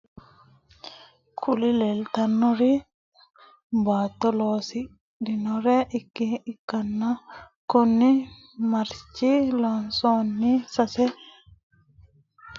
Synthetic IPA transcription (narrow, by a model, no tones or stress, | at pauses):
kʰulilɛlt̪ɐnːɔɾi | baːt̪ːɔloːsi | ɗinɔɾɛʔikːiːkːɐnːa | kɔnːi | mɐɾt͡ʃːilɔnsonːisɐsɛ